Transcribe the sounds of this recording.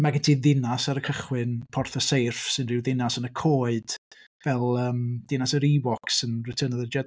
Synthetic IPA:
maɡətʰiðɪnasaɾəkʰəχwɪnpʰɔrθəsejrfsɪnrɪwðɪnasənəkʰoːɨd̥ | vɛlˠəːmd̥ɪnasəɾiwɔksənrɪtʰəːnəðəd͡ʒɛd

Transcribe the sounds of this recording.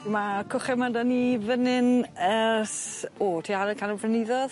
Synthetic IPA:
makʰʊχɛmadanivənɪnəsoːtʰiːaɾəkʰanəpʰrənɪðɔð

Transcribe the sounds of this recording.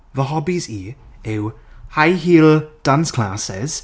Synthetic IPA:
vəɦɔbiziːɪwhajɦiːld̥anskʰl̥aːsɛ̰z̥

